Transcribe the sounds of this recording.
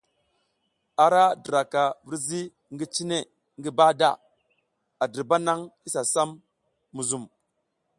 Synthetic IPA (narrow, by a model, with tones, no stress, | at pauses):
a˨ɾa˦di˨ɾa˨ka˨vi˦ɾzi˦ | ŋɡi˦t͡ʃi˦ne˦˨ | ŋɡi˦ba˦da˦˨ | a˨di˨ɾba˦na˦ŋi˦sa˨sa˦mː | u˨zu˨m